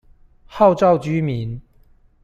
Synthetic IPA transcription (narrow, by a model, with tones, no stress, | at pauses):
hɑ˥˧ʊʈ͡ʂɑ˥˨ʊt͡ɕy˥mi˨˦n